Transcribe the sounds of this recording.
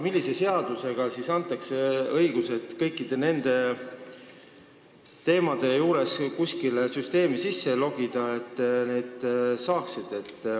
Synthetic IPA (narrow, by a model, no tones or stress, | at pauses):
milːise̞se̞ɑd̪use̞ɡ̥ɑsisɑnt̪ːˑɑkse̞ɤjɡ̥use̞t̪kɤjkːid̪̥e̞ne̞nd̪̥e̞ | t̪e̞ːmɑd̪̥e̞juːɾe̞skusʲkilesyst̪e̞ːmisisːe̞lo̞ɡ̥id̪̥ɑet̪ːne̞ːd̪̥sɑːksid̪̥e̞t̪ː